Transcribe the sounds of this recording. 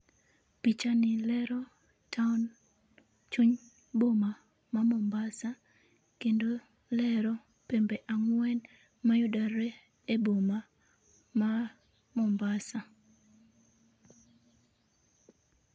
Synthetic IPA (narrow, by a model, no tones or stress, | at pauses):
pit͡ʃanɪlɛɾɔ | tʰaɔn | t͡ʃuɲ | boma | mamɔmbasa | kendo | lɛɾɔ | pembɛʔaŋwɛn | majʊdaɾɛ | eboma | ma | mɔmbasa